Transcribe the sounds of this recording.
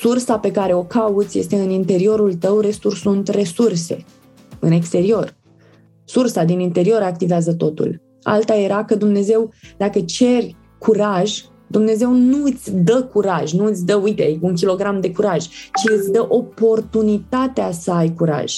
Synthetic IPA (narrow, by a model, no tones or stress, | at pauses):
sursape̞kaɾe̞o̞kaut̪sʲje̞st̪e̞ɨnint̪e̞ɾio̞ɾult̪əwre̞sursunt̪re̞surse̞̰ | ɨ̰ne̞kst̪e̞ɾio̞r | sursad̪inint̪e̞ɾio̞ɾak̚t̪iveazət̪o̞t̪ṵl | a̰lt̪aje̞ɾakəd̪umne̞ze̞wd̪akət͡ʃe̞rʲ | kʰuɾaʒ | d̪umne̞ze̞wnuɨt̪sʲd̪əkuɾaʒʲnuɨt̪sʲd̪əujt̪e̞uŋk̬ʲilo̞ɡɾamd̪e̞kuɾaʒt͡ʃiɨt̪sʲd̪əʔo̞po̞rt̪unit̪at̪easəajkuɾa̰ʒ̥